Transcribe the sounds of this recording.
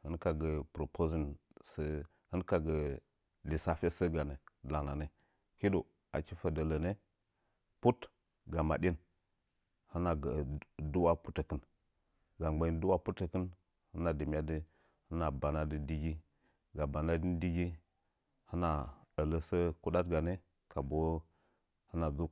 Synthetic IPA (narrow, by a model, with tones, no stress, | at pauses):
hɨ˦nka˨ɡə˨pɾo˨pʰo˦zi˦˨nsə˦ | hɨ˦nka˨ɡə˨ | li˨sa˨fe˦sə˦ɡa˨ne˨la˨na˨ne˦ | ki˦do˨ | a̰˨ki˦fə˨də˨lə˨ne˦ | pu˦t | ɡa˨ma˨ɗi˦n | hɨ˦na˨ɡə˨du˦wa˦pu˦tə˨kɨ˦n | ɡa˨ɡ͡ba˨i˦n˦du˦wa˦pu˦tə˨kə˦n | hə˦na˨di˨m˦a˦di˦ | hə˦na˨ba˨na˦di˨˦di˦ɡi˦ | ɡa˨ba˨na˦di˦n˦di˦ɡi˦ | hə˦na˨ə˨lə˦sə˦ku˦ɗa˦tɡa˨ne˦ | ka˨bo˨˦ | hə˦na˨d͡zu˦